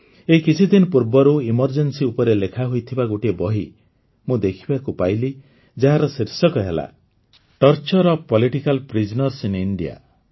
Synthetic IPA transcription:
eikit͡ʃʰid̪inɔpuɾbɔɾuimɔɾd͡ʒensiupɔɾelekʰaɦojt̪ʰibaɡuʈibɔɦi | mũd̪ekʰibakupajli | d͡ʒaɦaɾɔsiɾsɔkɔɦela̰ | ʈɔɾt͡ʃɔɾɔpɔliʈikalpɾid͡ʒɔnɔɾsiniɳɖija̰

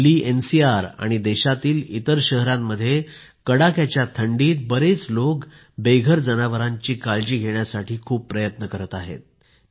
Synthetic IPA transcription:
liːʔensiaɾa̰ɽ̃id̪eɕat̪iːlit̪əɾɕəɦɾamːəd̪ʱːje | kəɽakjat͡ɕjat̪ʰəɳɖiːt̪̚bəɾet͡slok | beɡʱəɾd͡zənaʋəɾãɲt͡ɕiːkald͡ʑiːɡʱeɽjasaʈʰiːkʰuːpːɾəjət̪nəkəɾət̪aɦḛt̪̚

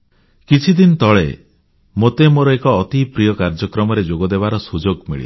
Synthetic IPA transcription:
kit͡ʃʰid̪int̪ɔɭe | mot̪emoɾɔekɔːt̪ipɾijɔkaɾd͡ʒɔkɾɔmɔɾed͡ʒoɡɔd̪ebaɾɔsud͡ʒoɡmḭɭḭ

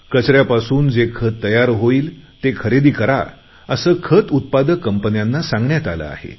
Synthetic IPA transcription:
kət͡sɾjapasuːnd͡zekʰət̪ːəjaɾɦoiːlt̪ekʰəɾed̪iːkəɾa̰ | əsəːkʰət̪ut̪̚pad̪əkːəmpənjanːasãŋɡɳjat̪alə̰a̰hḛ

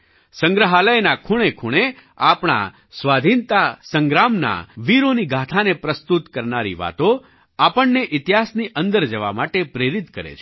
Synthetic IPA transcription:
sə̃ŋɡɾəɦaləjnakʰuɽ̃ekʰuɽ̃e | apɳa̰ | sʋad̪ʱint̪asəŋɡɾamna̰ʋiɾoniɡʱat̪ʰanepɾəst̪ut̪kəɾnaɾḭʋa̰t̪o | apəɳːeʔɪt̪jɦasniʔə̃nd̪əɾd͡ʒəʋa̰maʈepɾeɾit̪kəɾḛt͡ʃʰ

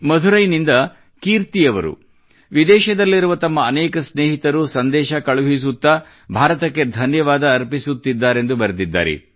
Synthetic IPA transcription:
mɐd̪ʱuɾɐjnind̪ɐ | kiːɾt̪ijɐʋɐ̰ɾṵ | ʋid̪ɛːʃɐd̪ɐlːiɾuʋɐt̪ɐmːɐːnɛːkɐsneːɦit̪ɐɾusɐnd̪ɛːʃɐkɐɭuɦis̬ut̪ːɐ | bʱaːɾɐt̪ɐkːe̞d̪ʱɐnjɐʋaːd̪ɐːɾpisut̪ːid̪ːaːɾe̞nd̪ubɐɾed̪id̪ːa̰ːɾḛ

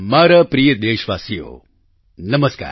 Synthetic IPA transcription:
maːɾɐpɾijɐd̪eːʃʋaːsijo̰ː | nɐmɐska̰ː

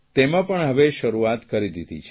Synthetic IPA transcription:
t̪emãpəɳɦəʋeʃəɾuat̪kəɾid̪id̪ḭt͡ʃʰ

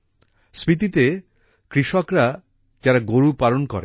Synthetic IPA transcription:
sfit̪̬it̪e | kɾiʃɔkɾa | d͡ʑaɾaɡoɾupalonkɔ̰ɾḛ

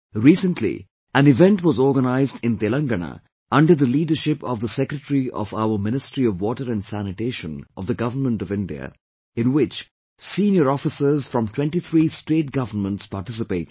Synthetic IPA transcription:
ɾiːsə̃nʈʰlḭ | æ̃nɪvɛ̃nʈwɔzɔːɾɡənaɪzdɪ̃nt̪elə̃ŋɡəna̰ | ʌ̃ɳɖəɾd̪əliːɖəʃɪpɔvd̪əsɛkɾəʈəɾiʔɔ̰faʊəmɪnɪsʈɾiɔvwɔːʈəɾæ̃nɖsænɪʈeːʃə̃nʔɔvðəɡʌvənmə̃nʈɔvɪ̃nɖiə̰ | ɪ̃nwɪt͡ʃ | sĩːnjəɾɔfɪsəzfɾɔ̃mtʰwɛ̃nʈit̪ʰɾiːsʈeːʈ̚ɡ̥ʌvənmə̃nʈspaːɾʈɪsɪpeɪt

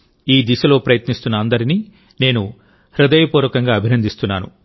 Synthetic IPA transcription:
iːd̪iʃɐlo̞ːpɾɐjɐt̪nist̪unːɐːnd̪ɐɾiniː | ne̞ːnu | hɾɐd̪ɐjɐpuːɾɐkɐŋɡaːɐbʱinɐnd̪ist̪unːaːnṵ

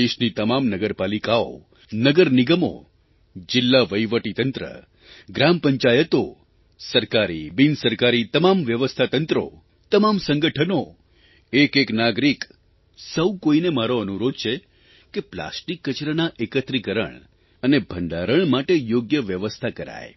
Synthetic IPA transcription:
eʃnit̪əmamnəɡəɾpalikao̰ | nəɡəɾnɪɡəmo̰ | d͡ʒɪlːaʋəjʋəʈit̪ənt̪ɾə̰ | ɡɾampəɲt͡ʃajət̪o | səɾkaɾibinsəɾkaɾit̪əmamʋjəʋəst̪ʰat̪ənt̪ɾo̰ | t̪əmamsə̃ŋɡəʈʰəno | ekeknaɡɾik | səwkoinemaɾoənuɾod̪̚t͡ʃʰe | kepla̰sʈikːət͡ʃɾənaʔekət̪ɾikəɾə̰ɳ | ənebʱəɳɖaɾəɳmaʈejoɡjəʋjəʋəst̪ʰakəɾa̰e

